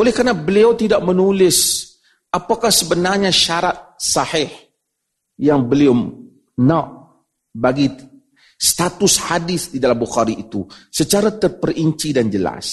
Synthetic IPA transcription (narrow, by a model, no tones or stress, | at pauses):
ʔolɛhkarnabəliawt̪idaʔ̚mənulɪs | apakahsəbənarɲaʃaɾat̪̚saħɪh | jaŋbəlio | naʔ | baɡi | st̪at̪ʊshadɪθdidalambuxaɾiʔːt̪usət͡ʃaɾat̪ərpəriɲt͡ʃidand͡ʒəla̰s